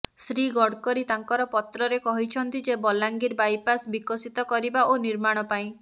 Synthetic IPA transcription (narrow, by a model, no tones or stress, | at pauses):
sɾiɡɔɽkɔɾit̪aŋkɔɾɔpɔt̪ɾɔɾekɔɦit͡ʃʰɔnt̪id͡ʒebɔlaŋɡiɾbajpasbikɔsit̪ɔkɔɾibaoniɾmaɽ̃ɔpaĩ